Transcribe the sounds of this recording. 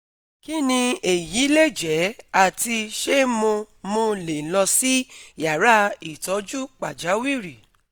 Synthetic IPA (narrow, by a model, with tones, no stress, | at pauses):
ki˦nĩ˧e˨ji˨˦le˦˨d͡ʒɛ˨˦a˦˨ti˧ʃe˦mõ˧ | mõ˧le˨lɔ˧si˦ja˨ɾa˦i˨tɔ˨˦d͡ʒu˦k͡pa˨d͡ʒa˨˦wi˦˨ɾi˨